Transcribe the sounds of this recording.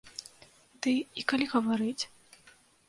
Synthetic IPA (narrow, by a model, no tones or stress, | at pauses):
d̪̥ɨikalʲiɣɐvaɾɨt͡sʲ